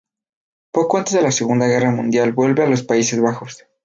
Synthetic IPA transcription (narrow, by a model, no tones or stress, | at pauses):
po̞ko̞ant̪e̞zðe̞lase̞ɣund̪aɣe̞ramũnd̪jalbwe̞lβe̞alo̞spaisezβaxo̞s